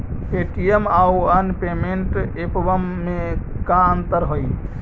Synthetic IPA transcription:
eʈiemauənpemeɳʈepbəmːekaənt̪əɾɦoj

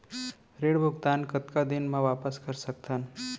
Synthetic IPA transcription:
ɾeːɽbʱʊɡt̪aːnkət̪kad̪ɪnmãʋaːpəskəɾsək̚t̪ən

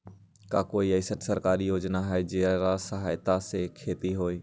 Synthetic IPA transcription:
kakoːiəɪsəʈsəɾkaːɾijoːd͡ʒnaɦɛed͡ʒeɾasəɦaːjt̪asekʰeːt̪iɦoːiː

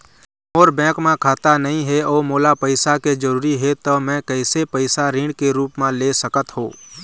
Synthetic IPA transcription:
moːɾbɛ̃ːkmẽkʰaːt̪anɐɦĩɦɛɔːɾmoːlapəɪsaked͡ʒəɾuːɾiɦɛt̪omɛ̃kɛɪsepəɪsaɾĩːɽɖkeɾuːpmẽlesəkət̪ɦo̰ː

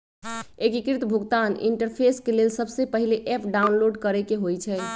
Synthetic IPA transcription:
ekikɾit̪bʱuɡt̪anḭɳʈəɾpʰeskelelsəbsepəɦileʔepʰɖaunloɖkəɾɛkeɦojt͡ʃʰɛ

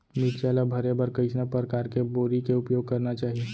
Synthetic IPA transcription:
miʈt͡ʃɛlabʱəɾebəɾkəɪt͡ʃnapəɾəkaːɾkeboːɾikeʊpjoːɡ̚kəɾnat͡ʃaːɦie

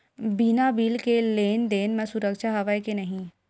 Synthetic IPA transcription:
binabiːlkeleːnd̪eːnmẽsʊɾəkʃaɦɐʋaikenɐɦĩ

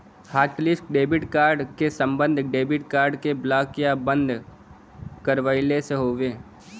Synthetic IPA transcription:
haːʈlɪsʈ̚ɖeːbɪʈkaːɾɖkesə̃mbə̃nd̪ʱɖeːbɪʈ̚kaːɾɖkeblaːkɪjabə̃nd̪ʱ | kəɾʋəɪleseɦoːʋeː

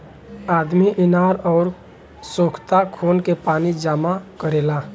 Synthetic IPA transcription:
aːd̪miʔɪnaːɾɔːɾ | soːkʰt̪akʰoːnkepaːnid͡ʒaːmakəɾeːlaː

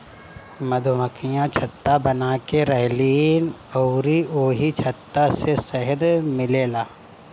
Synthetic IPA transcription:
mɐd̪ʱʊməkijãt͡ʃʰɐt̪ːabɐnaːkeɾɛɦliːnɔʊɾioːɦit͡ʃʰɐt̪ːasesɐɦəd̪mɪleːlaː

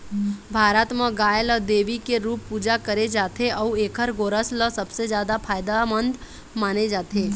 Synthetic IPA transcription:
bʱaːɾət̪mə̃ɡaːjələd̪eːʋikeɾuːpːuːd͡ʒakəɾed͡ʒaːt̪ʰeʔɔeːkʰəɾɡoːɾəsləsəbsed͡ʒjaːd̪apʰaːjd̪amənd̪ | maːned͡ʒaːt̪ʰeː

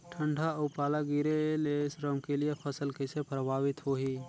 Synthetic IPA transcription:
ʈʰəɳɖʱaupaːlaɡiɾelesɾəmkelijepʰəsəlkesepɾəbʱaːʋɪt̪ɦoɦi

